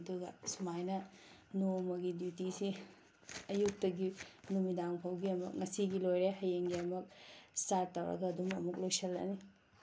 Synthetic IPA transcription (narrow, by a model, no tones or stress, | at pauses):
duɡɐ̰sumajnɐnomɐɡidjutisi | ɐjuk̚tɐɡinumidaŋpʰawɡiɐmɐk̚ŋɐsiɡilojɾeɦɐjeŋɡiɐmɐk̚staɾtːawɾɐ̰ɡɐdumɐmuk̚lojsɐlːɐ̰ni